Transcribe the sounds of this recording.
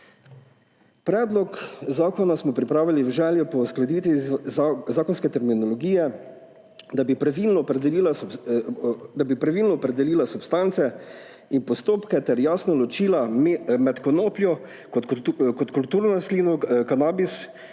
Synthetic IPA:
pɾɛːd̪lɔkzaːkɔnasmɔpɾipɾaːʋiliwʒɛːljɔpɔwsklɛd̪iːt̪ʋi | zaːkɔnskɛt̪ɛɾminɔlɔɡiːjɛ | d̪abipɾaʋilnɔpɾɛd̪ɛliːla | d̪abipɾaʋiːlnɔːpɾɛd̪ɛliːlasupst̪ant̪sɛ | inpɔst̪oːpkɛt̪ɛɾjaːsnɔlɔt͡ʃiːlammɛt̪kɔnoːplʲjɔ | kɔkɔt̪kult̪uːɾnɔslinɔkanaːbis

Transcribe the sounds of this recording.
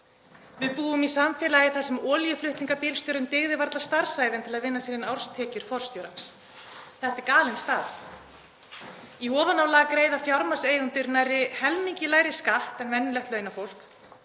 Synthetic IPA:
vɪðpuːvʏmisamfɛːlajɪθasɛmɔːljʏflʏht̪liŋkapɪːlst̪jɔwɾʏmt̪ɪɣðɪvaɾt̪last̪aɾ̥saːjvɪnt̪ʰɪlaðvɪnːasiːɾɪnawɾ̥st̪ʰɛːcʏɾ̥fɔɾ̥st̪jowɾans | θɛht̪ɪkaːlɪnst̪aːð | iɔːvanawlaːɣkɾeːjðafjaɾmaseːjɣʏnt̪ʏɾnajɾɪhɛlmiɲcɪlaːjɾɪskaht̪ɛnvɛnːɪlɛht̪lœːjnafowl̥k

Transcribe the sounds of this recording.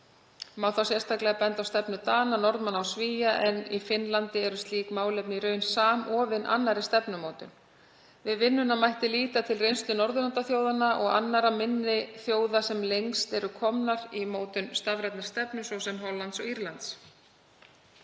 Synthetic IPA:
maːwθawsjɛst̪ʰaklɛɣapɛnt̪awst̪ɛpnʏt̪aːnanɔɾt̪manawsviːjaʔɛnifɪnlant̪ɪɛɾʏst̪liːkmaːwlɛpniɾœːɥnsaːmɔːvɪnʔa̰nːaɾɪ̥st̪ɛpnʏmoːwt̪ʏ̰n | vɪðvɪnːʏnamajht̪ɪliːt̪at̪ʰɪlrejnst̪ʏnɔɾðʏnant̪aθjoːwðanːaʔɔɣa̰nːaɾamɪnːɪθjoːwðasɛmlejŋkst̪ɛɾʏkʰɔmnaɾimoːwt̪ʏnst̪avɾɛt̪nḁst̪ɛpnʏsvɔwsɛmɦɔlːant̪sɔɣiɾlant̪s

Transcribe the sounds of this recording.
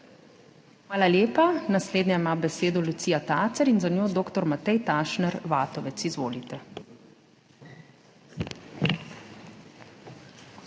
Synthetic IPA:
xmaːlalʲjeːpanasleːd̪nʲjaimabɛseːd̪ɔlut̪sijat̪aːt̪sɛɾinzanjoːd̪oːkt̪ɔɾmat̪ɛjt̪aːʃnɛɾʋaːt̪ɔʋɛt̪sizʋoːlit̪ɛ

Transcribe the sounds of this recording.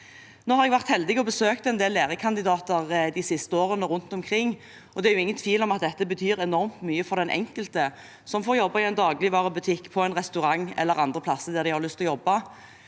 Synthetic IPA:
noːhɑɾʁɛɡʋæʁt̪hɛld̪ɪɡɔbəsøːk̚t̪ɛnd̪eːlːeːʁəkʰɑnd̪ɪd̪ɑːt̪əʁd̪ɪsɪst̪əoːʁənəɾʊnt̪ɔmkʰʁɪŋː | ɔd̪ɛæɾjʊɪŋːənt̪ʰʋiːlɔmɑt̪̚d̪ɛt̪ːəbət̪ʰyːɾɛnɔʁmt̪myːəfɔɾd̪ɛnʔɛ̰ŋkəlt̪ə | sɔmfoːʁjɔbːɑɪɛnd̪ɑːɡlɪʋɑːʁəbʉt̪ʰɪkːpʰɔɛnʁɛst̪ʉɾɑŋːɛ̰lːəʁɑnd̪ʁəpʰlɑsːəd̪ɛʁd̪ɪhɑʁlʉst̪ɔjɔbːɑ

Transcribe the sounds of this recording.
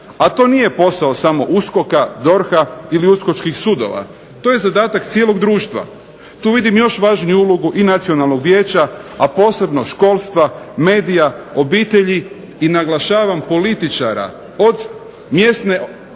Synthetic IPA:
at̪o̞ːnije̞po̞saosamo̞ʔusko̞kad̪o̞ɾxailiuskot͡ʃkixsud̪o̞̰ʋa̰ | t̪ojezad̪aːt̪akt̪sijelˠo̞ɡd̪ɾuːʃt̪ʋa̰ | t̪uːʋid̪imjo̞ʃʋaːʒnujuuloɡuʔinat̪sio̞nalˠno̞ɡʋje̞ːt͡ɕaapo̞ːse̞bno̞ʃko̞ːlˠst̪ʋame̞ːd̪ijaobiːt̪e̞ʎi | inaɡlˠaʃaːʋampo̞lit̪it͡ʃa̰ɾa̰ | o̞d̪ | mje̞st̪ne̞

